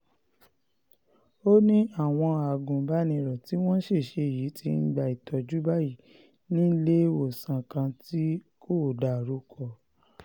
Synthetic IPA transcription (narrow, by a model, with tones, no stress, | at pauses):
o˦nĩ˦a˦˨w̃ɔ̃˧a˨ɡũ˨ba˦nĩ˧ɾɔ˨ti˨˦w̃ɔ̃˦ʃe˦˨ʃe˧˨ji˨˦tʰi˧˦n̩˦ɡ͡ba˨i˨tʰɔ˨d͡ʒu˨˦ba˦˨ji˨ | nĩ˦le˦o˨sã˨kã˧ti˦ | ko˦˨da˨ɾu˨˦kʰɔ˧˨